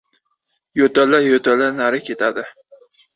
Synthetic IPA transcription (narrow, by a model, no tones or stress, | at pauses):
jot̪alajot̪ʰalanaɾɪkʲʰet̪ʰad̪ɪ